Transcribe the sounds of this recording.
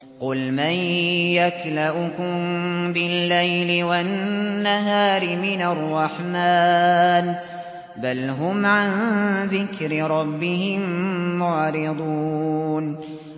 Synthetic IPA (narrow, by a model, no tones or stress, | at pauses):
qʊlmajjaklaʔʊkʊmbɪlːajlɪwanːaɦaːɾɪmɪnarˤːɑħmaːn | balɦʊmʕanðɪkɾɪɾˤɑbːɪhɪmmʊʕɾɪd̪ˤuːn